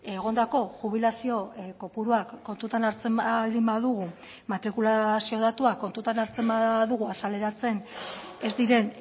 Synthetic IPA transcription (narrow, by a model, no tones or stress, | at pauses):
e̞ɣ̞o̞nd̪ako̞ʝuβ̞ilasio̞ko̞puɾuakːo̞nt̪ut̪anaɾt͡se̞mld̪imbaðuɣ̞u | mat̪ɾikulasio̞ð̞at̪uakːo̞nt̪ut̪anaɾt͡se̞mbaðuɣuasale̞ɾat͡se̞ne̞zd̪iɾe̞n